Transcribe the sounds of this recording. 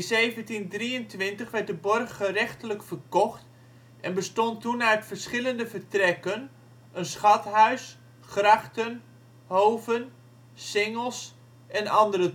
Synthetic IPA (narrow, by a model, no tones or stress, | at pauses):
nzejvəntindriəntʋɪntəχʋɛrt̚dəbɔrχːərɛχtələkfərkɔχt | ʔɛnbəstɔntunœɥtfərsχɪləndəvərtrɛkən | ənsχɑtɦœɥs | χrɑχtən | howvən | sɪŋəlˠs | ʔɛnɑndərə